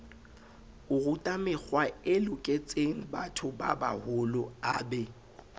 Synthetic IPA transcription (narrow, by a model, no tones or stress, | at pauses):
ʊrʊtʼamɪk͡xwaɪlʊkʼet͡sʼeŋ̩batʰʊba̰ba̰hʊlʊaːbɛ